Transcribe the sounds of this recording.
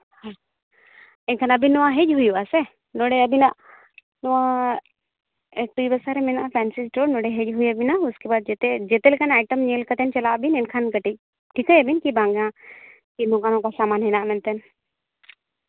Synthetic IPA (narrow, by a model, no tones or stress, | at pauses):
hã | ɛnkʰanɐbʱinɔwãɦed͡ʒɦujuasɛ | noɽeəbinaʔ | nɔʋa | ek̚ʈuibəsaɾemɛnaʔpʰɛnsizʈoɽnoɽeɦed͡ʒɦujəbinauskebaːd̪̚d͡ʒet̪ed͡ʒet̪ɛlekanajʈəmnelkət̪ɛnt͡ʃɐlaʔbinɛnkʰankəʈic̚ | ʈʰikəjəbinkibãŋɡã | kinokanɔ̃kasamanɦɛnaʔmɛnt̪ɛn